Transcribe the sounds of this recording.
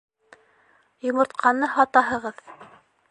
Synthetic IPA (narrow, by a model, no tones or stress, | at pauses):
jŏmŏɾt̪̚qʰɑnːɤhɑt̪ɑɦɤ̆ʁɤð